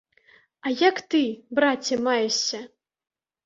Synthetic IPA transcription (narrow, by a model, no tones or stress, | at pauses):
ajakt̪ɨbɾat͡sʲɐmajɛɕʲːɐ